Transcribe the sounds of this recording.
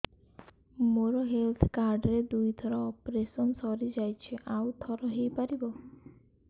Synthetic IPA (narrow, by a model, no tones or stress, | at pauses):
moɾɔɦelt̪ʰkaɾɖɾed̪ujd̪ʰʱɔɾɔːpɾesɔnsɔɾid͡ʒajt͡ʃʰiʔawt̪ʰɔɾɔɦejpaɾibɔ